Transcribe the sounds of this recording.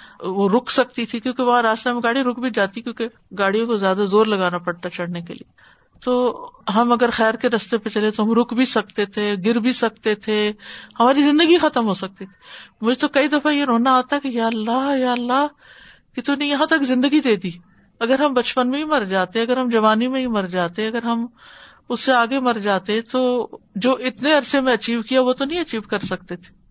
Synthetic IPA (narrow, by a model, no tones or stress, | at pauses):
ʋoɾʊkʰsɐk̚t̪it̪ʰikjõːkeʋɐɦãɾaːst̪emẽɡaːɽiɾʊkbʱid͡ʒaːt̪ikjõːke | ɡaːɽ̤ijõkozjaːd̪azoːɾlɐɡaːnapɐɽt̪aɛt͡ʃɐɽ̤nekḛlḭe | t̪oːɦɐmɐɡəɾxɛːɾkeɾɐst̪epet͡ʃɐlet̪oɦɐmɾʊkbʱisɐk̚t̪et̪ʰeɡɪɾbʱisɐkt̪et̪ʰehɐmaːɾizɪ̃nd̪əɡixɐt̪əmɦoːsɐk̚t̪et̪ʰi̥mʊd͡ʒʱet̪okɐid̪ɐfajeɾoːnaaːt̪aɦɛkijaːɐlːajaːlːaɦ | kit̪unẽjɐɦãt̪ɐkzɪ̃nd̪əɡid̪eːd̪iː | ɐɡəɾɦɐmbɐt͡ʃpənmẽɦimɐɾd͡ʒaːt̪eɛ̃ɐɡəɾɦɐmd͡ʒɐʋaːnimẽɦĩmɐɾd͡ʒaːt̪eɛ̃ɐɡəɾɦɐm | ʊsːeaːɡemɐɾd͡ʒaːt̪eɦɛ̃t̪od͡ʒoːʔɪt̪neɐɾsemẽɐt͡ʃiːʋkijaʋot̪onɐɦĩɐt͡ʃiːʋkɐɾsɐk̚t̪et̪ʰe̥ː